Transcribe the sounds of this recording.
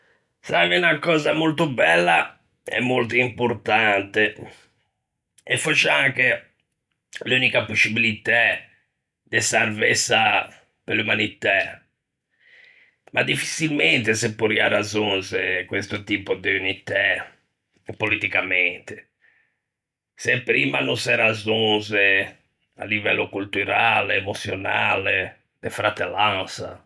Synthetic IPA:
sakeunakɔːzamolt̪obɛlːa | ɛ̰mːolt̪oimpoɾt̪ant̪e | ɛfot͡ʃːeaŋke | luːnikaposːibilit̪ɛ | d̪ɛsarvɛsːa | pelumanit̪a | mʔad̪ifːi̥silmɛnt̪esepːoɾiaɾazonzekwest̪ot̪iːpod̪eunit̪a | polit̪ikamɛnt̪e̥ | sɛpɾiːmanosɛɾazonze | a̰lːivɛlːokult̪uɾaːleːmot̪sːjona̰ːle | d̪efɾat̪ːelːansa̰

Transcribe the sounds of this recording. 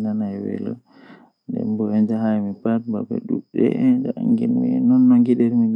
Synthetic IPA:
nanajwɛ̰lɔ | ndɛ̰mbɔɛnd͡ʒaɦajmipat̚ba̰bɛ̰ɗuɗɛ̰ɛnd͡ʒaʔaŋɡinminɔnːaŋɡiɗɛɾmi

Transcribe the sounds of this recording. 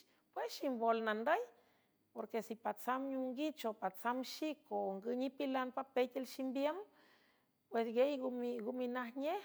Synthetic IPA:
pwesʃimbolnand̪əj | poɾkesipat͡samɲuŋɡit͡ʃopat͡samʃikoŋɡɨɲipilanpapet̪ʲelʃimbjem | pwesɡejɡmiɡuminahɲeh

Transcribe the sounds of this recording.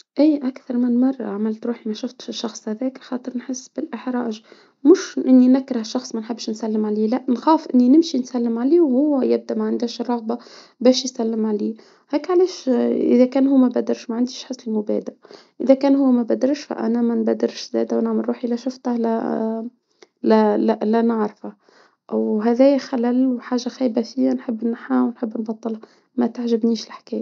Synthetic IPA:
ʔiːʔækθɑɾˤmɪnmɑrˤːʕamɪlt̪ɾuːħimæʃʊft̪ʃʃːɑxsˤhæðɛːkxɑːt̪ˤəɾnħɪsːb̥ɪlʔəħɾˤɑ̰ːʒ | mʊʃʔɪnːinækːɾɑhʃːɑxsˤmænħəbːʃnsælːəmʕaliːlæʔnxɑːfʔɪnːinɪmʃinsælːɪmʕaliːwhʊwːæjɪb̚d̪æʔmæʕand̪æːʃrˤːɑɣba | bæːʃjsælːɪmʕaliː | hæːkʕalɛːʃʔɪ̰ðækæːnɦuːmæbæd̪ɑɾʃmæʕand̪iːʃħɑslimʊbæ̰ːd̪ɪɾ | ʔɪðækæːnɦuwːmæbæd̪ɪɾʃfæ̰ʔæ̰næmænbæd̪ɪɾʃzæ̰ːd̪æwnaʕmalɾuːħiʔlæʃʊft̪hlæ̰ | lælælænɪʕɾˤfa | ʔwɦæːðæːjæxælælwħaːʒaxæːbæfiːænħəbːnaħawnħəbːnbɑt̪ˤːɨlha | mæt̪aʕʒɪbniːʃlɪħkæːjæ

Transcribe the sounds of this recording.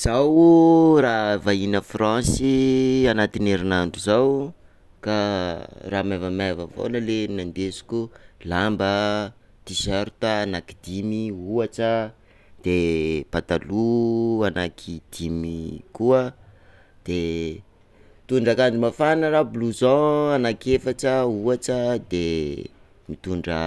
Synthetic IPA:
z̥awravainəfrãsianat̪ineɾinaɳɖ͡ʐuzaw | ka | ramavəmavəfo̰nəlenand̪esu̥kʲulambə | t̪isɛɾt̪aːnakid̪imiuaʈ͡ʂə | d̪̥epat̪aluanakʰid̪̥imikuə | d̪̥e | t̪uɳɖ͡ʐakand͡zimafanərabuluzɔanakefaʈ͡ʂəuaʈ͡ʂəd̪e | mit̪uɳɖ͡ʐə

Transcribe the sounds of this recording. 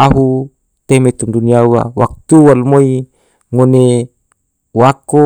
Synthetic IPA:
aɦu | t̪emet̪umduniawa̰wak̚t̪uwalmoi | ŋone | wako

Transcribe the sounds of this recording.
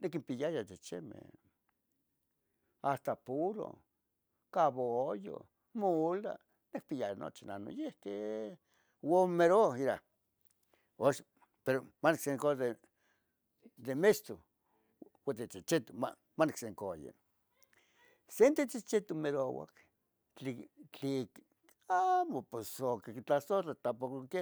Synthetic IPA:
nekimpijajat̪et͡ʃḛmḛ | ast̪apuɾo̰ | kaβojo̰ | mola̰ | nek̚pijajano̰t͡ʃina̰no̰jeht̪e | womeɾoiɾa̰ | oʃ | peɾomanikseŋkod̪e | d̪emest̪o | wat̪et͡sit͡ʃet̪oma̰ | manekseŋkojḛ | sent̪et͡sit͡ʃet̪omeɾowa̰k | t͡ɬit͡ɬik | amopesokekit͡ɬasorat̪apokoke

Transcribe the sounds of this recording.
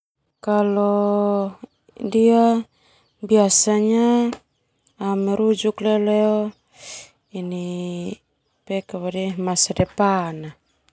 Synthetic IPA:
kalo | dia | biasaɲa | meɾud͡ʒukleolɛo | ini | pekaβadimasadepana

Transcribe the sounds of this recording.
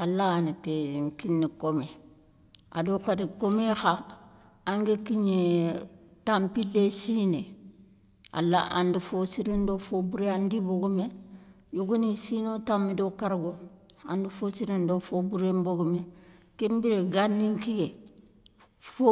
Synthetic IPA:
alːaːnikeŋkinːikome | a̰dokadikomexa | aŋɡekiɲe | tampilːesine | a̰lːa̰ʔa̰ndifosiɾindofobuɾeandiboɡume | juɡunisinotamːidokaɾɡoa̰ndifosiɾindofobuɾemboɡume | kembiɾeɡanːiŋkiɡe | fo

